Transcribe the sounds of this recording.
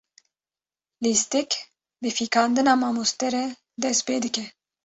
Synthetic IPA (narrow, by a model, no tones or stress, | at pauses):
list̪ik | bɨfiːkɑːnd̪ɨnɑːmɑːmust̪ɛɾɛ | d̪ɛst̪̚peːd̪ɨkɛ